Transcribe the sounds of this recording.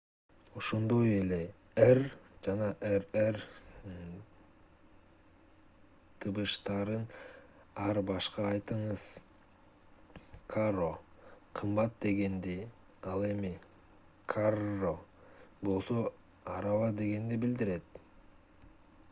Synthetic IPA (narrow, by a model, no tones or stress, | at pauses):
oʃo̞nd̪o̞jele̞ | erd͡ʒɑnɑʔerer | t̪ʰɯβɯʃt̪ɑɾɯn | ɑɾbɑʃqɑːjt̪ɯɴɯz̥ | kʰaroqʰɯmbɑt̪̚d̪e̞ɡe̞nd̪i | ɑlˠe̞mi | kʰarobo̞lˠso̞ | ɑɾɑvɑd̪e̞ɡe̞nd̪ibild̪iɾe̞t̪